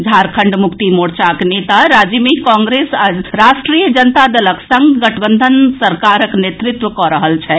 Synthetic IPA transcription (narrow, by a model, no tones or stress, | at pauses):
d͡ʒʱaɾkʰəɳɖmʊkt̪imoɽt͡ʃaknet̪aɾad͡ʒəmekɔ̃ŋɡɾesaɾaʃʈɾijd͡ʒənt̪ad̪ələksə̃ŋɡɡəʈʰbənd̪ʱənsəɾkaɾəknet̪ɾɪt̪ʋəkɔɾəɦəlt͡ʃʰɛ